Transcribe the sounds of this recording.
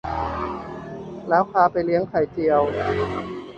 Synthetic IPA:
lɛː˦˥wkʰaː˧˩pa˧jli˦˥əŋkʰa˨˩jt͡ɕi˨˧əw

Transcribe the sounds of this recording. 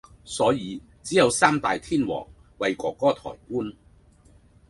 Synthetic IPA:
sɔː˨˥jiː˨˧ | t͡siː˨˥jɐ˨˧wsaː˥mt̪aː˨jt̪ʰiː˥nwɔ̰ː˨˩ŋ | wɐ˨˧jkɔː˨˧kːɔː˥t̪ʰɔ̰ː˨˩jkuː˥n

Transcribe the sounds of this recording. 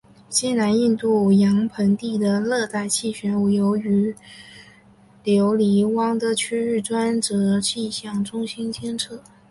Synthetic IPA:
t͡ɕɛ˥˩na˧˥ni˥˧nt̪u˥˩jɑ˧˥ŋpʰə˧˥ŋt̪i˥˩d̪ə˩lɤ˥˧t̪a˥˩ɪt͡ɕʰi˥˩ɕɥɛ˧˥nu˨˩jo˧˥ʊy˧˥ | ljo˧˥ʊli˧˥wɑ˥ŋd̪ə˧t͡ɕʰy˥ɻ̩˥˩ʈ͡ʂwa˥nʈ͡ʂɤ˧˥t͡ɕi˥˧ɕjɑ˥˩ŋʈ͡ʂʊ˥ŋɕi˥nt͡ɕjɛ˥nʈ͡ʂʰɤ˥˩

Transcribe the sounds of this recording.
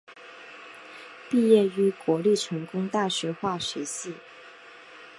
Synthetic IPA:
pi˥˧jɛ˥˩y˧˥kwɔ˧˥li˥˩ʈ͡ʂʰɤ˧˥ŋkʊ˥ŋt̪a˥˩ɕɥɛ˧˥xwa˥˩ʂɛ˧˥ɕi˥˩

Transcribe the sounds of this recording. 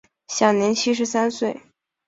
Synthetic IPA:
ɕja˨˩ŋnjɛ˧˥nt͡ɕʰi˥ʂ̬ɻ̩˧˥sa˥nswe˥˩ɪ

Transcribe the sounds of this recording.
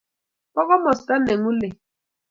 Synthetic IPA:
pɔ˦kɔ˦mɔ˨sta˦nɛ˨ŋu˦le˨

